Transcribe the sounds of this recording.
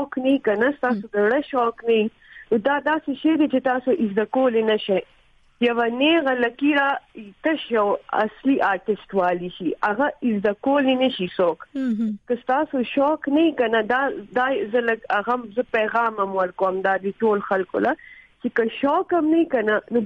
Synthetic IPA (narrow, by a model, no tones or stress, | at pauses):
ɔknɐikɐnast̪aːsod̪ɐɽəʃɔːknɐi | nod̪aːd̪aːseʃɐjd̪et͡ʃet̪aːsoʔɪzd̪ɐkoːlenɐʃaj | jɐwaneːɣalɐkiɾait̪ɐʃjɐwɐ̰sliʔaːɾʈɪsʈwaːliʃiaɣaɪzd̪ɐkoːlenɐʃisoːkkɐst̪aːsoʃɔːknaikɐnad̪aːd̪aːzəlɐɡaɣamzəpeːɣɑːmɐmwɐɾkoɐmd̪aːd̪eʈoːlxɐlko̰lat͡ʃekɐʃɔːkɐmnɐikɐnano